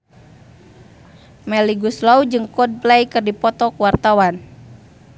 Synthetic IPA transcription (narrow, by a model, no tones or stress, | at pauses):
mɛliɡuslaud͡ʒɨŋkɔd̚plɛjkɨrdipɔt̪ɔkuwart̪awan